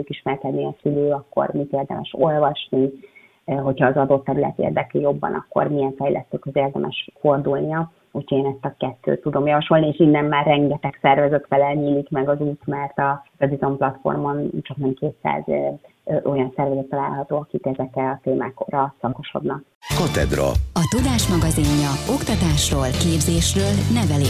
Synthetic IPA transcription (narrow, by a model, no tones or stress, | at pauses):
ukiʃmɛrkɛd̪niɒsyløːɒkːo̞̰rmit̪eːrd̪ɛ̰mʔɛ̰ʃo̞lvɒʃni | ɦo̞chɒːzɒd̪o̞t̪ːɛɾylɛ̰t̪ḛrd̪ɛklijo̞bːɒ̰nʔɒ̰kːo̞̰rmiɛɱfɛjlʔɛ̰st̪øːkøzeːrd̪ɛmʔɛ̰ʃfo̞rd̪ulniɒ | uchoeːnɛst̪ɒkɛt̪ːø̰ːt̪ːud̪o̞mjɒvɒʃo̞lnieːʃinːɛmːaːrːɛŋɡɛt̪ɛksɛrvɛzøt̪fɛlɛlɲiːlikmɛɡɒzuːt̪mɛrt̪ɒrɒd̪izomplɒt̪fo̞̰rmo̞nt͡ʃɒknɛmkeːt̪sa̰ːz | ʔo̞jɒnsɛrvɛzɛt̪ːɒla̰ːlɦɒt̪oːɒkit̪ɛzɛkɛlɒt̪eːmaːko̰rɒsɒko̞ʃo̞̰d̪nɒk̚ | kɒt̪ɛ̰d̪ɾɒ̰ɒt̪ud̪aːʃmɒɡɒziɲːɒo̞kt̪ɒt̪aːʃroːlkeːbzeːʃrøːlnɛvɛli